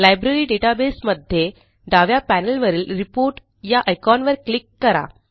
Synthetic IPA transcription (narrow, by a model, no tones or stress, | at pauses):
lajbɾəɾiːɖeʈabesməd̪ʱje | ɖaʋjapænəlʋəɾiːlɾipoɾʈ | jaʔəjkɔnʋəɾklikːəɾa̰